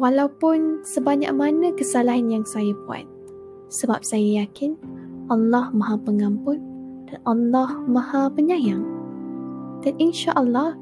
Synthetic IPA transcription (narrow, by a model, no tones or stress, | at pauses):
walawpʊnsəbaɲa̰k̚manə̃kəsalaɦanjaŋsajabua̰t̪̚ | səbap̚sajajakɪnʔalːɑhmãɦapəŋampʊnd̥anʔalːahmãhapəɲajaŋ | d̥aninʃaʔəlːɑh